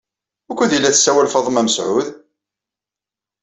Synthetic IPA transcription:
ʊkʷːæðjilːæθsːæwælfɑðˤəmæməsʕʊð

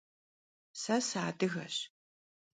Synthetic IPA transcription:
sɐsaːdɨɣɐ̰ɕ

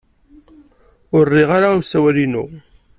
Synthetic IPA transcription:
ʊrːɪʁaɾausæwælinṵ

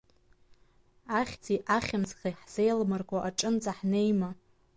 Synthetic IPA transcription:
aχʲt͡sʰʼiʔaχʲɪmzχiħz̥ejlmarɡʷʼaʔaʈ͡ʂʼɨnt͡sʼaħnejma

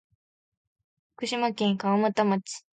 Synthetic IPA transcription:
ɸkɯ̟ɕimakẽ̞ŋkaβamɯt̪amat͡ɕi̥

